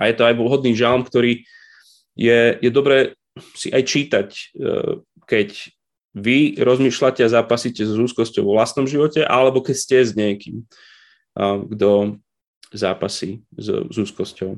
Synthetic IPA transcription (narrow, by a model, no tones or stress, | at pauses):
ajɛt̪ɔajʋɔɦɔd̪niːʒɛlmkt̪ɔɾiː | jɛjɛd̪ɔbɾɛː | siʔajt͡ʃiːt̪ac | kɛc | ʋiɾɔzmiːʃlacɛazaːpasiːcɛzuːskɔscɔʊʋɔʋlast̪nɔmʒiʋɔcɛʔa̰lɛbɔkɛcscɛzɲɪɛkiːm | ɡd̪ɔ | zaːpasiːz̰zuːskɔscɔʊ